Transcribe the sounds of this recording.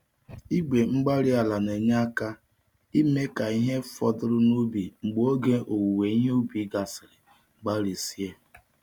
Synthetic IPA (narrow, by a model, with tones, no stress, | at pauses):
i˦ɡ͡be˨ŋ͡m̩˦ɡ͡ba˦ɾi˦a˨la˨ne˨ɲa˦ka˦ | i˦me˦ka˨i˦ɦe˦fɔ˨dʊ˦ɾʊ˦nu˦bi˨ŋ͡m̩˨ɡ͡bo˦ɡe˦ʔo˨wu˨we˨i˦ɦe˦u˦bi˨˦ɡa˨sɪ˨ɾɪ˨ | ŋ͡m̩˨ɡ͡ba˦ɾi˨si˦e˦